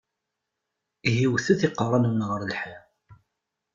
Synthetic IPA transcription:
ɦiwθæθiqːərˤɑnmnʁəɾlħi

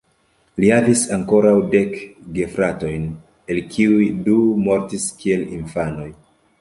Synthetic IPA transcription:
lihavisaŋko̞ɾawde̞kɡe̞fɾato̞jn | e̞lkʰiujdumo̞ɾtiskie̞lḭnfano̞j

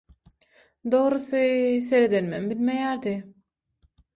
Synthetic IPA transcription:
d̪oʁɾɯsɯseɾed̪enmḛmbilmejæɾd̪i

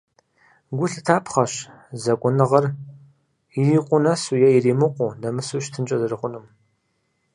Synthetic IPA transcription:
ɡʷʊɬɨtʰaːpʰχɐʃ | zɐkʷʼʊnɨʁɐr | iiːqʷʼʊnɐsujɛjiriːmɨqʷʼʊːnɐmɨsuɕtʰɨnt͡ʃʼɐzɨrɨqʷʊnɨm

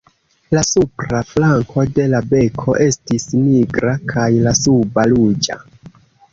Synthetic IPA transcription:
lasupɾaflaŋko̞de̞labe̞kʰo̞̰ʔe̞stisniɡɾakʰajlasubalud͡ʒa̰

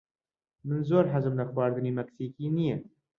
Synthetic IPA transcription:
mɨnzoːɾħazɨmlaxwaːɾd̪ɨniːmɐksiːkiːnije

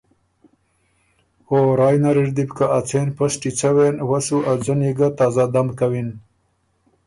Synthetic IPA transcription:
oɾɑːjnaɾiɾd̪ibkaat͡sʰeːnpasʈit͡sʰawenwasuʔad͡zəniɡat̪ɑːzad̪amkawin

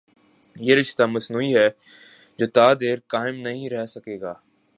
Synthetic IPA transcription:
jeːɾɪʃt̪amɐsnuːiɦɛː | d͡ʒoːt̪aːd̪eːɾkaːɪmnɐɦĩɾɛɦsɐkeːɡaː

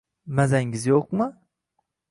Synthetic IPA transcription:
mazaŋɡɪzjoq̚mɨ

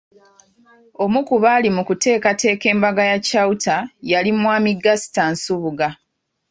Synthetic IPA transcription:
o̞mukuβaːlimukute̞ːkate̞ːke̞ːmbaɡajacautajalimwaːmiɡasi̥tansuβuɡa

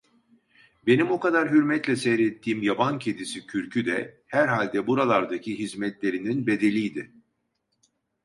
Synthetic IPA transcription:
be̞nimokad̪aɾɦyɾmɛt̪lʲɛsɛjɾet̪ʰːiːmjabancʰed̪isicʰyɾcʰyd̪ɛ | hæɾɦalʲd̪ɛbuɾalˠaɾd̪acʰiɦizmɛt̪lʲe̞ɾininbe̞d̪e̞lʲijd̪ɪ

